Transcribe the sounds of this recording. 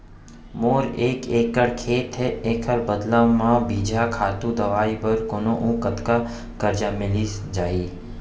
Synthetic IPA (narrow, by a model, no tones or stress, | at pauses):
moːɾeːkeːkəɽkʰeːt̪ɦɛeːkʰəɾbəd̪lamãbiːd͡ʒʱakʰaːt̪ũd̪ɐʋaːibəɾkoːnõʔũːkət̪ka | kəɾd͡ʒamɪlid͡ʒaːiː